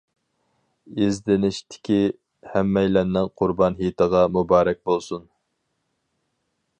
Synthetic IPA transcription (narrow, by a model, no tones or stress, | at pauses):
ɪzd̪ɪnɪʃt̪ʰɪ̥kʲi | hɛmːɛjlɛnːɪnqʰʊɾbɑnɦit̪ʰəʁɑmubɑːɾɛk̚ʲbolˠsun